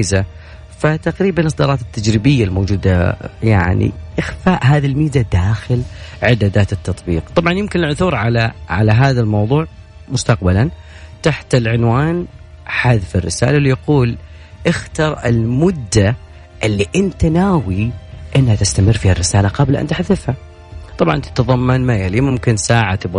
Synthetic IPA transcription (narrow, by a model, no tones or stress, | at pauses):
iza | fat̪aqɾiːbanʔɨsˤd̪ɑɾˤɑːt̪ɪt̪ːad͡ʒɾɪbɪjːalmoːd͡ʒuːd̪a̰ja̰ʕnḭʔɪxfaːʔɦaːðilmiːd̪ad̪aːxɪlʕɪd̪aːd̪aːt̪ɪt̪ːɑt̪ˤbḭːqt̪ˤɑbʕɑnjɪmkɪnɪlʕʊθuːɾˤʕalaʕa̰laɦaːðalmɑwðˤuːʕ | mʊst̪aqbalant̪aħt̪ɪlʕʊnwaːnħaðfɪrːɪsa̰ːlalɪjaquːl | ʔɪxt̪ɑɾˤɪ̰lmʊd̪ːa | ʔɪlːiʔɪnt̪anaːwiʔɪnːhat̪ɪst̪amɪrːfiːharːɪsaːlaqɑblʔa̰nt̪ɪħðɪfha | t̪ˤɑbʕɑ̰nt̪ɪ̥t̪ɑðˤɑmːanmajalimʊmkɪnsaːʕat̪ɪb